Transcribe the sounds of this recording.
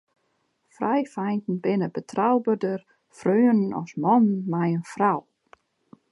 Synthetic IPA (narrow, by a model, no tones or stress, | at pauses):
frajfajntn̩bɪnəbətʰrawbədər | frøːənnɔ̰smɔnnmajənfraw